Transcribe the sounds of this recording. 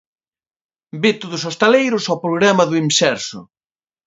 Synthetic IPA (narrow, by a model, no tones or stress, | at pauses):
bet̪ʊðʊsost̪alejɾʊsawpɾoɣɾamɐðʊiŋsɛɾsʊ̰